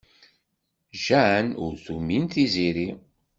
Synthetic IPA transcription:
ʒænʊ̰ɾθumint̪iziɾi

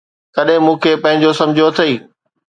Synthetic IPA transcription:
kɐɗɦɪ̃mũːkʰepɐ̃ɦɪ̃ɲd͡ʑosɐ̃md͡ʑʱijoɐt̪ʰɐiː

